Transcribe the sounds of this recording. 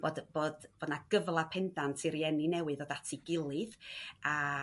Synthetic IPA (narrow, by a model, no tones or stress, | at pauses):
b̥oːdb̥oːdb̥odnaɡ̥əvlˠapʰɛndantʰiɾjɛninɛwɨðɔdatʰiɡɪlˠɨða